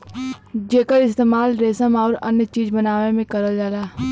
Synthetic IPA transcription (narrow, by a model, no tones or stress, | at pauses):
d͡ʒeːkəɾɪst̪eːmaːlɾeːsəmaːɾɐ̰njət͡ʃiːd͡ʒbənaːʋemẽkɐɾəld͡ʒaːlaː